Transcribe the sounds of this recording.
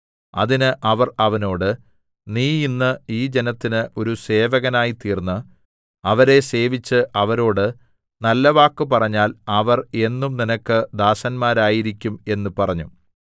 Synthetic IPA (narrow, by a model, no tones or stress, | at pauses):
ɐ̰ðinɨʔɐʋɐrɐʋɐno̞ːɽɨ | niːinːɨiːd͡ʑe̞nɐt̪ːinɨʔo̞ɾuse̞ːʋɐɣɐnaːjit̪iːrnːɨ | ɐʋɐɾe̞se̞ːʋit͡ɕːɨʔɐʋɐɾo̞ːɽɨ | nɐlːɐʋaːkːɨp̬ɐrɐɲːaːlɐʋɐre̞nːumninɐkːɨd̪aːsɐnmaːɾaːjiɾikʲːume̞nːupɐrɐɲːu